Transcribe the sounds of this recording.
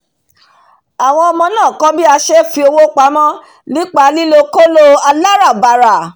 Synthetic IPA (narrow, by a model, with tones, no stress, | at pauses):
a˨w̃ɔ̃˧ɔ˧mɔ̃˧nãː˦˨kɔ˦bi˦a˧ʃɛ˦fi˧o˧wo˦k͡pa˨˦mɔ̃˦ | li˦k͡pa˨˦li˦lo˧ko˦lo˧a˧la˦ɾa˦˨ba˧˨ɾa˨